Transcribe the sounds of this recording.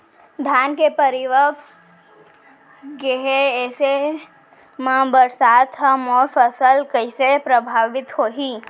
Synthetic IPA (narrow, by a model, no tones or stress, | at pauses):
d̪ʱjaːnkepəɾɪʋək | ɡeɦeɛːse | mãbəɾsaːt̪ɦəmɔːɾfəsəlkəisepɾəbʱaːʋɪt̪hoːɦiː